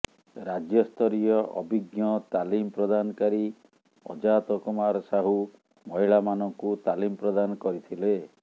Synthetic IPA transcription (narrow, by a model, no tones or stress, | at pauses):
ɾad͡ʒjɔst̪ʰɔɾijɔʔɔ̰bʱiɡjɔt̪alimpɾɔd̪anɔkaɾi | ɔ̰d͡ʒat̪ɔkumaɾɔsaɦu | mɔɦiɭamanɔŋkut̪alimpɾɔd̪anɔkɔɾit̪ʰile